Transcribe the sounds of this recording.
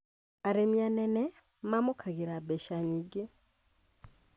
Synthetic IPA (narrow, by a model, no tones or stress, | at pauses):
aɾemjanɛnɛ | mamokʰaɣiɾabɛʃaɲiɡi